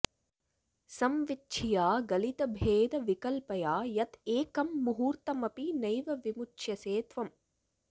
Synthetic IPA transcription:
sɐmʋit͡ʃːt͡ʃʰijaːɡɐlit̪ɐbʱeːd̪ɐʋikɐlpɐjaːjɐt̪eːkɐmːuɦuːɾt̪ɐmɐpinɐjʋɐʋimut͡ʃt͡ʃʰjɐseːt̪ʋɐm

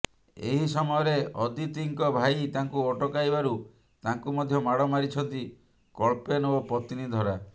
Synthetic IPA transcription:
ḛɦisɔmɔjɔɾeɔd̪it̪iŋkɔbʱait̪aŋkuɔʈɔkajbaɾu | t̪aŋkumɔd̪ʱjɔmaɽɔmaɾit͡ʃʰɔnt̪i | kɔɭpenoɔpɾɔt̪inid̪ʱɔɾa

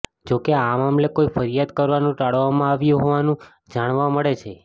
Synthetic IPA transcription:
d͡ʒokeamamlekoifəɾijad̪kəɾʋanũʈaɭʋamãaʋjũɦoʋanũ | d͡ʒaɽ̃ʋãməɭet͡ʃʰe

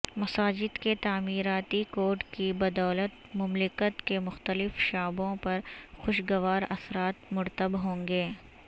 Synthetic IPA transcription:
mɐsaːd͡ʒɪd̪ket̪aːmiːɾaːt̪ikoːɾʈkibɐd̪ɔːlət̪̚ | mʊmlɪkət̪kemʊxt̪əlɪfʃaːbõpɐɾxʊʃɡɐʋaːɾɐsɾaːt̪mʊɾt̪əbɦõːŋɡeː

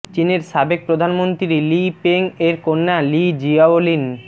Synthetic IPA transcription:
t͡ɕineɾʃabek̚pɾod̪ʱanmont̪ɾiɾilipeŋeɾkonːalid͡ʑiaolin

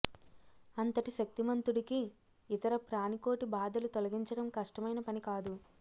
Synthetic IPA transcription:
ɐnt̪ɐʈiʃɐk̚t̪imɐnt̪uɽikiː | t̪ɐɾɐpɾaːniko̞ːʈibaːd̪ɐlut̪ɔlɐɡiɲt͡ʃɐɽɐmkɐʂʈɐmɐjnɐpɐnikaːd̪u

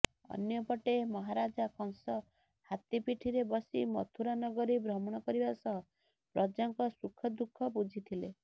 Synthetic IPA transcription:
ɔ̰njɔpɔʈemɔɦaɾad͡ʒakʰɔŋsɔ | hat̪ipiʈʰiɾebɔsḭmɔ̰t̪ʰuɾanɔɡɔɾibɾɔmɔɽ̃ɔkɔɾibasɔɦɔ | pɾɔd͡ʒaŋkɔsukʰɔd̪ukʰɔbud͡ʒʱit̪ʰile

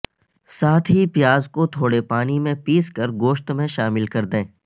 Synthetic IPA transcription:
saːt̪ʰɦipjaːzkot̪ʰoːɽepaːnimẽpiːskəɾɡoːʃt̪mẽʃaːmɪlkɐɾd̪ẽː

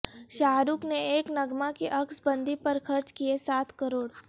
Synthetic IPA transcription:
ʃaːɾukneeːknɐɡmakiʔɐksbɐ̃nd̪ʱipɐɾxʰɐɾt͡ʃkiesaːt̪ʰkəɾoːɽ

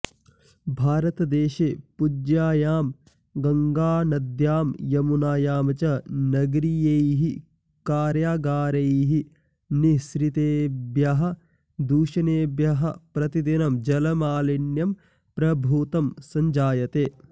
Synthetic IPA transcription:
bʱaːɾɐt̪ɐd̪eːʃeːpud͡ʒjaːjaːm | ɡɐŋɡaːnɐd̪jaːmjɐmunaːjaːmɐt͡ʃɐnɐɡɾijejɦi | kaːɾjaːɡaːɾɐjɦi | nisɾit̪eːbjɐɦɐ̆ | d̪uːʃɐneːbjɐɦɐpɾɐt̪id̪inɐmd͡ʒɐlɐmaːlɐɳjɐm | pɾɐbʱuːt̪ɐmsɐɲd͡ʒaːjɐt̪eː

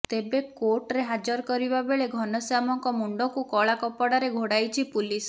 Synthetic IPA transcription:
t̪ebekoɾʈɾeɦad͡ʒɔɾɔkɔɾibabeɭeɡʱɔnɔsamɔŋkɔmuɳɖɔkukɔɭakɔpɔɽaɾeɡʱoɽajt͡ʃʰipulis

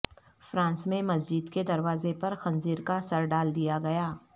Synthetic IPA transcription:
fɾãːnsmẽmɐs̬d͡ʒɪd̪ked̪ɐɾʋaːzepɐɾxɐ̃nziːɾkasɐɾɖaːld̪ijaɡɐjaː

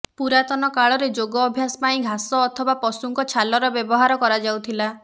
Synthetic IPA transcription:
puɾat̪ɔnɔkaɭɔɾed͡ʒoɡɔːbʱjasɔ̥paĩɡʱasɔːt̪ʰɔbapɔsuŋkɔt͡ʃʰalɔɾɔbjɔbɔɦaɾɔkɔɾad͡ʒawt̪ʰila

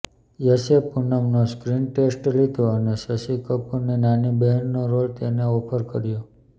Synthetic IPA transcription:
jəsepunəmnoskɾinʈesʈlid̪ʱoəneʃəʃikəpuɾnenanibeɦənːoɾolt̪eneopʰəɾkəɾjo

